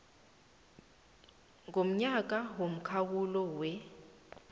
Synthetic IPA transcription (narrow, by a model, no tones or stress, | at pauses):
ŋom̩ɲak̬ʼawom̩kʰawulɔwɛ